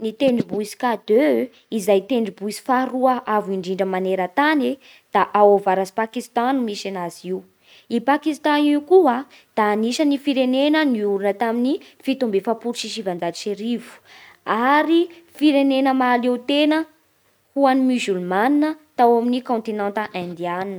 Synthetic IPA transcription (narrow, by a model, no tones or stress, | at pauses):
nit̪eɳɖ͡ʐibuisi̥kad̪ø | izajt̪eɳɖ͡ʐibuisi̥faɾuəʔaviɳɖ͡ʐiɳɖ͡ʐəmaneɾət̪ane | d̪̥aʔawovaɾazi̥pakist̪animisanaziw | ipakist̪aniukua | d̪̥aːniʃənifiɾenenəniuɾunət̪aminifit̪umbefapuɾʃiʃivand͡zadiʃeɾivu̥ | aɾifiɾenenəmalewt̪enə | huanimyzylmaninət̪awaminikõnt̪inãnt̪əʔãnd̪ianinə